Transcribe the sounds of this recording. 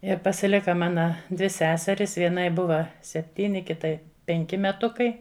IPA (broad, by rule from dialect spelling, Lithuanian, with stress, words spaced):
ɪr pɐsʲɪˈlʲɪkɐ ˈmɑːnɐ dʲʋʲɪ ˈsʲæːsʲɛrʲɪs ˈʋʲiɛnɐɪ ˈbʊʋɐ sʲɛpʲˈtʲiːnʲɪ ˈkʲɪtɐɪ ˈpʲɛŋʲkʲɪ mʲɛˈtʊkɐɪ